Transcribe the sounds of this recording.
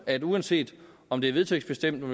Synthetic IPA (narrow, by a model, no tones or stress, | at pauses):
æd̥uænse̝̰ːd̥ɒ̽md̥e̝æɐʋe̝ðˠt͡sʰøɡ̥sb̥e̝sd̥em̰d̥